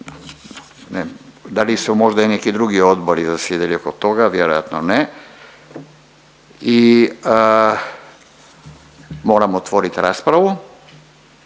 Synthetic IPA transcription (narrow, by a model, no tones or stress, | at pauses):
nɛd̪alisumɔʒd̪ainɛkid̪ɾuɡiod̪boɾizasɛd̪ɛliokot̪oɡavjɛɾoja̰t̪nɔnɛ | i | moɾamot̪voɾit̪ɾaspɾaʋu